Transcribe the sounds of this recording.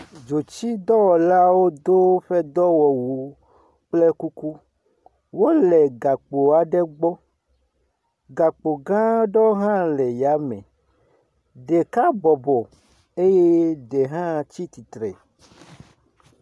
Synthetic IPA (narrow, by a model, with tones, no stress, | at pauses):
d͡ʒo˨t͡ʃi˦d̪ɔ˦wɔ˨la˦wo˦d̪o˦ɸɛ˦d̪ɔ˦wɔ˨wu˨˦ | k͡plɛ˦ku˦ku˦ | wo˦lɛ˨ɡa˨k͡po˨a˨ɖɛ˦ɡ͡bɔ˦ | ɡa˨k͡po˨ɡã˦ɖɔ˦ɦã˦lɛ˨ja˨˦mɛ̰̃˨ | ɖe˨ka˦bɔ˨bɔ˨ | e˦je˦ɖe˨ɦã˦t͡ɕi˦t̪i˨t̪ɾɛ̰˨